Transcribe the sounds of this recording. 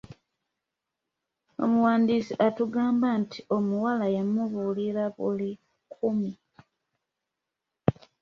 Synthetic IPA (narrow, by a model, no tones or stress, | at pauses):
o̰muwaːndiːsiʔatuɡaːmbantʰio̞muwalajamuβuliɾaβṵli | kʰumi